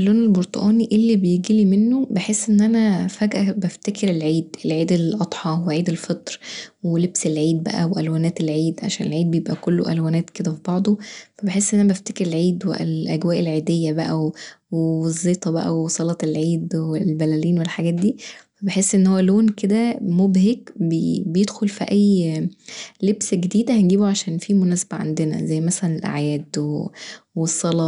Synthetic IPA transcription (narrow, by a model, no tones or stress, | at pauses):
lːoːnelboɾt̪ˤo̰ʔɑːniʔelːibejeɡilimenːobeħesːʔenːʔænæfæɡʔæbæft̪ækeɾelʕiːd̪elʕiːd̪elʔɑd̪̥ˤħɑweʕiːd̪elfet̪ˤɾwelebselʕiːd̪̚bæ̰ʔæ̰weʔælwæːnæːt̪elʕiːd̪ʕa̰ʃæːnelʕiːd̪̚bejebʔækolːo̰ʔælwæːnæːt̪ked̪æfibɑʕd̪ˤofæbeħesːʔenːænæbæft̪ækeɾelʕiːd̪wḛʔelʔæɡwæːʔelʕiːd̪ejːæbæʔæwwewezˤːeːt̪ˤɑbæ̰ʔæ̰wesˤɑlɑt̪elʕiːd̪welbælæliːnwelħaɡæːt̪̚d̪iːfæbeħesːʔenːhowːæloːnked̪æmobhekbebejed̪xolfiʔæjː | lebsɡed̪iːd̪æhænɡiːboʕaʃæːnfiːmonæːsæ̥bæʕa̰nd̪enæ̰zæjːmæsælænelʔa̰ʕjæːd̪we | wesˤːɑlɑ